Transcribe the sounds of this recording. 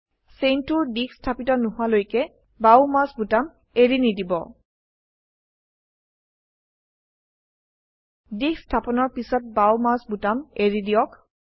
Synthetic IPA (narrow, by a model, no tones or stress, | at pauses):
sentuɹdikstʰapitɔnʊɦʊalojkɛ | bawmasbutam | eɹinidibɔ̰ | dikstʰapɔnɔɹpisɔt̚bawmasbutameɹidiɔk